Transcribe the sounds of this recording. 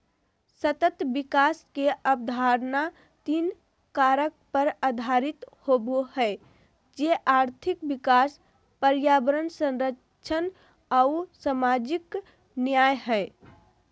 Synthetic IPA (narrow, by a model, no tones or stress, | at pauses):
sət̪ət̪bikaskeʔəp̚d̪ʱaɾna | t̪in | kaɾək̚pəɾad̪ʱaɾit̪hobohɛ | d͡ʒeʔaɾt̪ʰikbikas | pəɾjabəɾənsə̃nɾə | ʃʰən | ausamad͡ʒik | njaːjɦɛ